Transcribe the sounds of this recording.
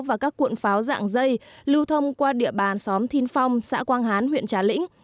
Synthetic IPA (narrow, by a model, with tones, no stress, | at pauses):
wvaː˨˩kaː˦˥kːwḭ˧˨ənfaː˨˦wza̰ː˧˨ŋzə˧jlɨ˧wt̪ʰə˧wŋ͡mkwaː˧ɗḭ˧˨əɓaː˨˩nsɔ˨˦mt̪ʰi˨˦nfa˧wŋ͡msa̰ː˧˥kwaː˧nɦaː˨˦nɦwḭ˧˨ənt͡ɕaː˨˦lḭ̈˧˥ŋ̟